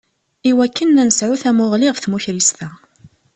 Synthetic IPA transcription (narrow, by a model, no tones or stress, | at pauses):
iwækːənːænəsʕuθæmʊʁlɪʁfθmuçɾist̪æ